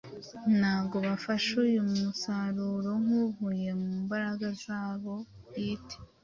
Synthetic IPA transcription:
n̥aːbɡo̞βafaʃujummusaɾuɾo̞ŋ̥uɦuje̞muːmbaɾaɡazaːβo̞jitʰe̥

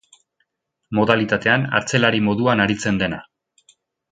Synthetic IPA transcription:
mo̞ðalit̪at̪e̞ana̰ɾt͡se̞laɾimo̞ðuanaɾit͡se̞nd̪e̞na

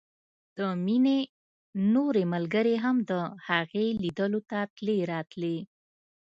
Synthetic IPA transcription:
d̪̥əmine | noɾeməlɡəɾeɦamd̪əhaɣelid̪əlot̪at̪leɾɑt̪le

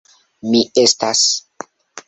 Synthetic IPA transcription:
miestas

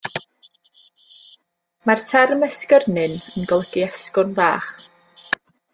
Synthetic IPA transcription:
martʰɛrmɛskərnɨnənɡɔlˠəɡiaskʊnva̰ːχ

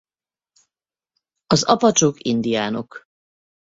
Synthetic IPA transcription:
ɒzɒpɒt͡ʃokind̪ijaːno̞k

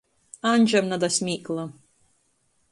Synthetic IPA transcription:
anʲd͡ʒamnad̪asʲmʲiːklˠa

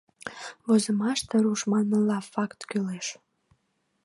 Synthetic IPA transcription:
βozəmɑʃt̪əɾuʃmɑnːəlɑfɑkt̪kyleʃ

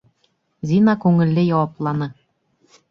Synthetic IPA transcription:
zʲinɑkuŋɘ̆lʲːejɑwɑplˠɑnɤ̆

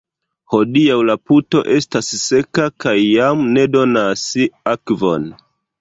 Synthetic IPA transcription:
ho̞diawlaputo̞ʔe̞stasːe̞kakajːamne̞do̞nasiakvo̞n

